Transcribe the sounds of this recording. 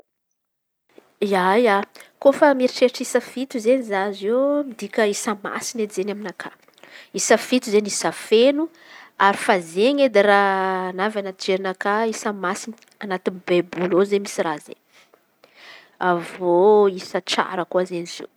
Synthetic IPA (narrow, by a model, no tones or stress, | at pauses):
iajakofamiɾiʈ͡ʂeʈ͡ʂisəfit̪uzenizazemid̪ikʲəisəma̰sineizenaminakʰa | isəfit̪uzenisafenu | aɾifazeɲed̪iɾanavanad͡ʒeɾinakaisəmasini | anat̪inibebulozemisirazḛɲ | avoisət͡sa̰ɾəkuazeniz̥ḛ